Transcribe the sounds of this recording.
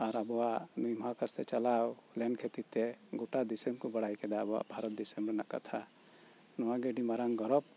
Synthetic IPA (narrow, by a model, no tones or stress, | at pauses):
aɾabɔwaʔnujmakast̪ɛt͡ʃalawlɛnkʰet̪it̪ɛɡoʈad̪isɛmkɔbaɽajkɛd̪aːbɔwa̰ʔbʱaɾɔt̪̚d̪isɛmɾɛnaʔka̰t̪ʰa | nɔwaɡɛɖimaɾaŋɡɔɾɔb̚